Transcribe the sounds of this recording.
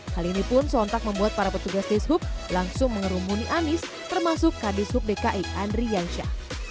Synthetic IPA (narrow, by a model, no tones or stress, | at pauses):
halinipʊnsɔnt̪ak̚məmbuat̪̚paɾapət̪uɡasdɪshʊp̚laŋsʊŋməŋəɾumuniʔanɪs | t̪ərmasʊkːadɪshʊp̚dekaʔiʔandɾijanʃa̰